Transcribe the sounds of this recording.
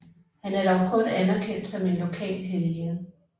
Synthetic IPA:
hænæɐd̥ɒʊkʰɔ̽nænæɐkʰen̰d̥sɒ̽me̝nlo̝kʰɛ̰ːlɦeleɐ

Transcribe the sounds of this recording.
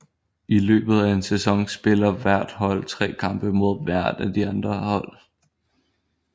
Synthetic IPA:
ʔilø̰ːb̥ð̞̩ˠæe̝nsesɒ̽ŋsb̥e̝lɐʋæɐ̰d̥hɒ̽l̰t͡sʰʁɛ̰ːkʰɑ̈mb̥əmo̝ð̞̰ˠʋæɐ̰d̥æd̥iɑ̈nd̥ʁɐhɒ̽l̰

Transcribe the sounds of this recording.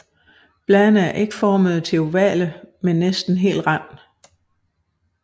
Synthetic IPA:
b̥lɛnəæɐʔe̝ɡ̥əfɒːməð̞̩ˠt͡sʰe̝oʋɛ̰ləmenːesd̥n̩ɦe̝̰ːld̥ʁam̰d̥

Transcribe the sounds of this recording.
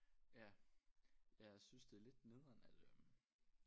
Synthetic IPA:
jæ | jɑæsynsd̥e̝æle̝d̥ne̝ðˠɐnæləm

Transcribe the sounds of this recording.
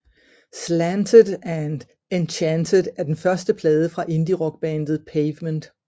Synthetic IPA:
slændʰədˠæn̥ | ent͡ɕʰændʰəðˠæɐd̥enfɶɐsd̥əpʰlɛːð̞ˠəfʁɑ̈ʔe̝nd̥iʁɒ̽ɡ̥̚b̥ɛnd̥ð̞̩ˠpʰeɪʋmənd̥

